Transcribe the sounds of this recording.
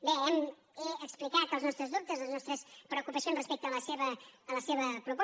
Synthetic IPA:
beɛm | əksplikat̪əlˠznɔst̪ɾəzðup̚t̪əzlˠznɔst̪ɾəspɾəukupəsjonsrəspɛk̚t̪ələseβəːləseβəpɾup

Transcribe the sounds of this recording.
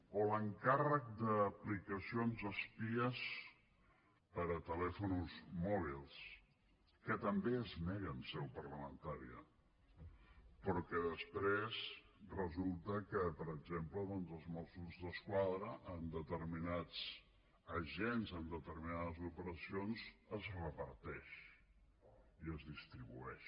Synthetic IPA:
oləŋkarək̚d̪əːplikəsionzəspiəs | pəɾət̪əlɛfunuzmɔβ̞ilˠs | kət̪əmbeəznɛɣənsɛwpərləmənt̪aɾḭə̰ | pɾɔkɛðəspɾezrəzulˠt̪əkəpəɾəɡzempləðɔnzəlˠzmɔsuzðəskwaðɾəʔːnd̪ət̪əɾminat͡s | əʒɛnzənd̪ət̪əɾminaðəzupəɾəsionzəzrəpəɾt̪ɛʃ | iəzðist̪ɾiβuɛʃ

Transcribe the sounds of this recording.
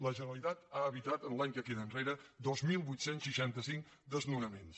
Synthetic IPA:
ləʒənəlit̪at̪aəβit̪at̪ənlˠaɲkəfiðənreɾəd̪ozmilˠbujt̪sensʃiʃant̪əsiŋk | d̪əznunəmens

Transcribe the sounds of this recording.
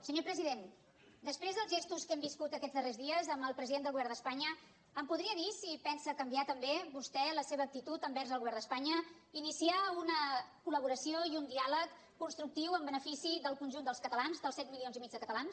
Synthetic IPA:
səɲopɾəziðen | d̪əspɾezðəlzʒest̪uskɛmbiskut̪əkɛd͡zðərezðiəzəməlˠpɾəziðend̪əlɣuβɛɾnd̪əspaɲəː | mpuðɾiəðisipɛnsəkəmbiat̪əmbeβust̪ɛləseβəːk̚t̪it̪ut̪əmbɛrzəlˠɣuβɛɾnd̪əspaɲə | inisiaunəkuləβ̞uɾəsioiund̪ialəkː | unst̪ɾuk̚t̪iwəmbənəfisiðəlˠkunʲʒund̪əlˠskət̪əlanzðəlˠsɛt̪̚milionzimid͡ʒðəkət̪əlans

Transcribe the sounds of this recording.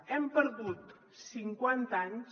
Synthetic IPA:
ɛmpəɾðut̪ | siŋkwant̪aɲs

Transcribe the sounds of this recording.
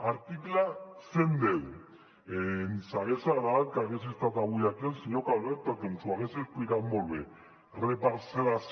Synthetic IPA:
aɾt̪iklasend̪eðu | ensaɣesaðalkaɣesist̪at̪aβujakensiɲokalβeɾt̪at̪ensuaɣeseskuiɾamolβe | repaɾselas

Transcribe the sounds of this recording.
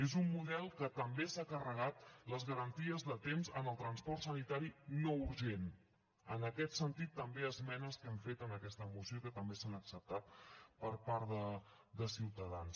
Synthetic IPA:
ezumːuðɛlˠkət̪əmbesakərəɣ̞at̪ləzɣəɾənt̪iəzðət̪emzənəlˠt̪ɾənspɔrt̪sənit̪aɾinouɾʒen | ənəkɛt̪sənt̪it̪ːəmbeəzmɛnəskɛɱfet̪ənəkɛst̪əːmusiokət̪əmbesanəksəp̚t̪at̪̚pəɾpaɾðə | d̪əsiwt̪əðans

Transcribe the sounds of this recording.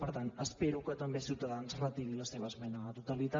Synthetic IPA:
pəɾt̪anəspeɾukət̪ambesiwt̪aðanzrət̪iɾilaseβəːzmɛnat̪ot̪alit̪a

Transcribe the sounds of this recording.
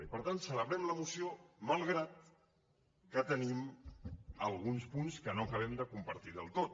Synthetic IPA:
ipəɾt̪ant̪sələβɾɛmləmusiomalˠɣɾat̪̚ | kət̪ənim | əlˠɣunspunskənoəkəβ̞ɛmd̪əkumpəɾt̪iðə̰lˠt̪ot̪

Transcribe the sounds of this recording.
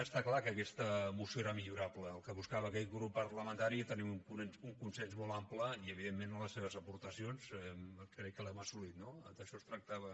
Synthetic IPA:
əst̪aklakəːkɛst̪əmusjoeɾəmiʎuɾapləːlˠkəβuskaβəːkɛʎɣɾupːərləmənt̪aɾit̪ənimuŋuuŋkunsɛnzmɔlampləiəβiðemːenləsːeβ̞əzəpuɾt̪əsionzɛkɾɛkːəlɛməsulit̪̚nod̪əʃɔst̪ɾək̚t̪aβə

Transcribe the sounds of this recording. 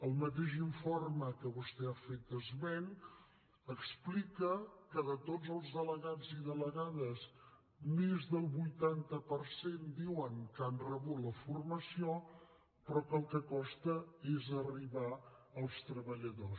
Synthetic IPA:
əlˠmət̪̬eʒiɱforməkəβust̪ɛafet̪̚d̪əzmɛn | əksplikəkəðət̪odzəlˠzðələɣaziðələɣaðəs | mezðəlˠβujt̪ant̪əpərsend̪iwəŋkanrəβut̪ləfurməsio | pɾɔkəlˠkəkɔst̪əezəriβaəlˠst̪ɾəβəʎəðos

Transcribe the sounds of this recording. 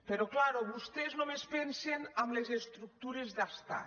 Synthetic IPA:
peɾɔklaɾoβust̪eznomespensenamlezest̪ɾuk̚t̪uɾezðast̪a̰

